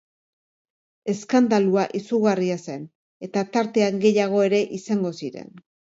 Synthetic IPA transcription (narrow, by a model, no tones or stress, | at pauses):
e̞skand̪aluaʔisuɣariase̞n | e̞t̪at̪aɾt̪e̞aŋɡe̞jaɣ̞o̞e̞ɾe̞ʔisaŋɡo̞siɾe̞̰n